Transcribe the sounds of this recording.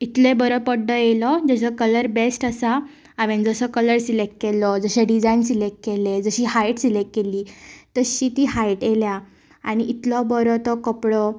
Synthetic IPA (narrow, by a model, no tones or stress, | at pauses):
it̪lebəɾɔpəɖʱːəjelɔd͡zəɕəkələɾbesʈəsa | aʋẽnd͡zəsɔkələɾsilek̚ʈ̚kelɔd͡zəɕeɖid͡zainsilek̚ʈ̚keled͡zəɕiːɦaiʈsilek̚ʈ̚keliːt̪əɕiːt̪iɦaiʈjelja | a̰ɽ̃iʔit̪lɔbəɾɔt̪ɔkəpɽɔ